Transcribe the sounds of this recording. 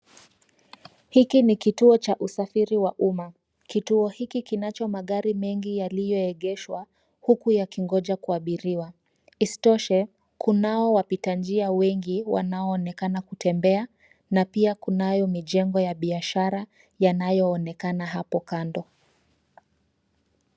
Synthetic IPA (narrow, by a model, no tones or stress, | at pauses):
hikinikituɔt͡ʃaʔusafiɾiwaʔuma | kituɔhikikinat͡ʃɔmaɠaɾimɛŋɡijalijɔɛɠɛʃwa | hukujakiŋɡɔʄakuaɓiɾiwa | isi̥tɔʃɛ | kʰunaɔwapitand͡ʒiawɛŋɡiwa̰naɔːnɛkanakutʰɛmbɛa | napiakunajɔmiʄɛŋɡɔjaɓiaʃaɾa | janajɔːnɛkanaɦapɔkandɔ